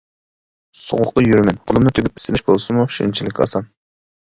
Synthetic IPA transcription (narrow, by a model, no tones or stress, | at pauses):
so̰ʁʊqt̪ɨjyɾmɛnqʰʊlˠɨmnɨt̪ʰyɡʲyp̚i̥sɪnɪʃbolˠsɨmuʃḭnt͡ʃʰilɪkʲɑ̰sɑn